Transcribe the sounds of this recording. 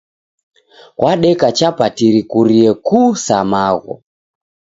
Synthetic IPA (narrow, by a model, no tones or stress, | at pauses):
ɣwaɗɛkat͡ʃapatiɾikuɾiɛkusamaɣɔ̰